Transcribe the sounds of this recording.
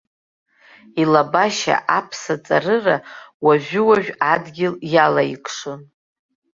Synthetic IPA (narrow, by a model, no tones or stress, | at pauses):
ilabaʃa̰ʔapʰsat͡sʼarɨrawaʒᶣʏwaʒᶣadɡʲɪljalaikʼʰʂɨn